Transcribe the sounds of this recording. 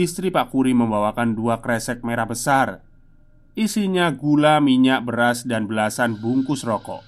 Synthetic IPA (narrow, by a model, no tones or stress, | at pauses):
ist̪ɾipakuɾiməmbawakanduakɾɛsɛk̚meɾabəsar | ʔisiɲaɡulamiɲaʔbəɾasdanbəlasanbuŋkʊsrɔkɔ̰ʔ